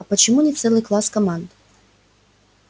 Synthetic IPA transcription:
ɐpət͡ɕɪmunʲɪft̪sɛlˠɨjklˠaskɐmand̪

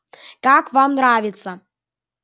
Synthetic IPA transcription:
kakvamnravʲɪt̪sə

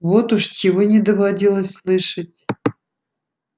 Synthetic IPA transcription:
vot̪ʊʂt͡ɕʲɪvonʲɪd̪əvadʲilˠəsʲslˠɨʂətʲ

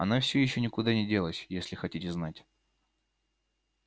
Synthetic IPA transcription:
ɐ̰nafsʲɵjɪɕːɵnʲɪkʊd̪anʲɪdʲe̞lˠəsʲjesʲlʲɪxɐtʲitʲɪznatʲ

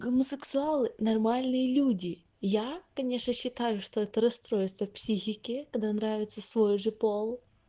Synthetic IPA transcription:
ɡoməsɨksʊalˠɨnɐrmalʲnɨjəlʲudʲɪ | jakɐnʲe̞ʂnəɕːɪt̪ajʊʂt̪oɛt̪əɾɐst̪ɾo̞jɪst̪vəpsʲixʲɪkʲɪkɐd̪anɾavʲɪt̪səsvojʊʐɨpolˠ

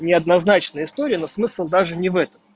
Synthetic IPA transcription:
nʲɪɐd̪nɐznat͡ɕnəjəɪst̪oɾʲɪəno̞smɨsəlˠd̪aʐɨnʲɪvɛt̪əm

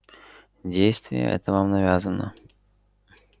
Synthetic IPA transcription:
dʲejst̪vʲɪ̰jə̰ʔɛ̰t̪əvamnɐvʲazənə̰

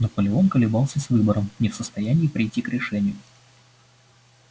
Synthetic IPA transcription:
nəpəlʲɪo̞nkəlʲɪbɑlˠsʲəsvɨbəɾəmnʲɪfsəst̪ɐjænʲɪːpɾʲɪjtʲːikɾʲɪʂɛnʲɪjʊ

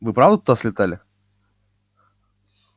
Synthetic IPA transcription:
vɨpɾavd̪ət̪ud̪asʲlʲɪt̪alʲɪ

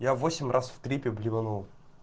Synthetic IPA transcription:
javosʲɪmʲrʔasft̪ɾʲipʲɪblʲɪvɐnulˠ

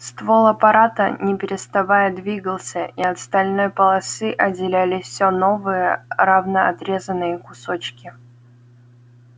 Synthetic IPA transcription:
st̪volˠɐpɐɾat̪ənʲɪpʲɪɾʲɪst̪ɐvajəd̪vʲiɡəlˠsʲəʔiɐt̪st̪ɐlʲno̞jpəlˠɐsɨʔɐdʲɪlʲælʲɪfsʲono̞vɨjəɾavnəɐ̰t̪ɾʲe̞zənːɨjəkʊsot͡ɕkʲɪ

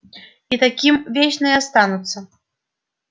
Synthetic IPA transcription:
it̪akʲimvʲet͡ɕnɨjast̪ɑnut̪sːə

